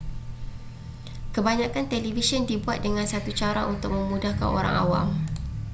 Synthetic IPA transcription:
kəbaɲãkant̪elivisiɔndibuat̪̚dəŋãnsat̪ut͡ʃaɾaʔunt̪ʊk̚mə̃mudahka̰no̰ɾa̰ŋʔa̰wa̰m

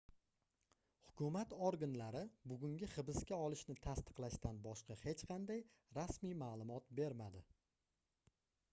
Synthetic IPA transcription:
hʊkʰʊmat̪oɾɡanlaɾɪbʊɡʲʊŋɡʲɪχɨbɪskʲaɒlˠɪʃnɪt̪ʰast̪ɨ̥qlˠaʃt̪ʰanbɒʃqɑhe̞t͡ʃqʰɑnd̪aj | ɾasmijmaːlˠʊmɒt̪̚be̞ɾmad̪ɪ

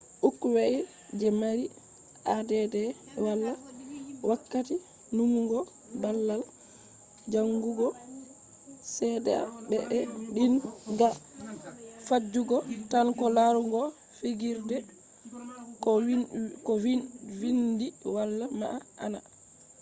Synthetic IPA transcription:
ʔukːwɛʔɛ | d͡ʒɛmaɾi | ʔadɛdɛ | walːawakːati | numuɡɔ | balːal | d͡ʒaŋɡuɡɔ | sɛdɛ̰a̰bɛʔɛɗinɡa | fad͡ʒːuɡɔtankɔlaɾuŋɡɔ | fiɡiɾdɛ | kɔkɔwiwindiwalːama̰ʔaʔa̰na

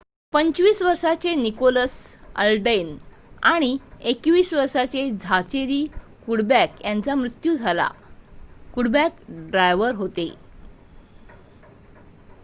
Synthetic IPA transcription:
pəɲt͡ɕʋiːsʋəɾʂat͡senikoləsə̰lɖən | aɽ̃iekʋiːsʋəɾʂat͡sed͡zʱat͡ɕeɾiː | kuɽbækjant͡samɾut̪juːd͡zʱala̰ | kuɽbækɖɾajʋəɾɦot̪e

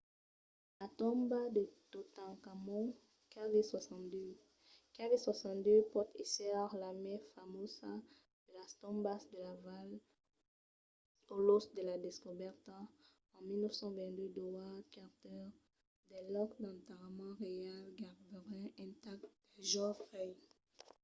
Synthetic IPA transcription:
lat̪ɔ̃mbad̪ət̪ot̪ãkamɔ̃ | kadeswasɑ̃t̪d̪ø | kadeswasɑ̃t̪d̪øpɔʁt̪isɛaʁlamɛ̃famosa | d̪̥əlast̪ɔ̃mbasd̪əlaval | olosd̪əlad̪eskobɛʁt̪ | ɑ̃milnəfsɑ̃vɛ̃nd̪ød̪wakaʁt̪œʁ | d̪ɛlɔkd̪ɑ̃t̪aʁamɑ̃ʁejalɡaʁbəʁɛ̃ɛ̃t̪ak̚d̪̥ɛʒɔ̃fɛj

